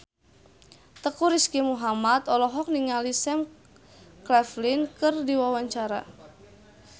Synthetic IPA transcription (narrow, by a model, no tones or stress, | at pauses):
t̪əkuɾiskimuɦamat̪ɔlɔɦɔk̚niŋalisɛm | klɛflinkɨrdiwawaɲt͡ʃaɾa